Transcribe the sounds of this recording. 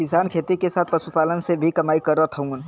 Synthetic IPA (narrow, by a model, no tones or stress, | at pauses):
kɪsaːnkʰeːt̪ikesaːt̪̚ʰpɐsupaːlənsebʱikɐmaːikɐɾːət̪ʰɐɦũːn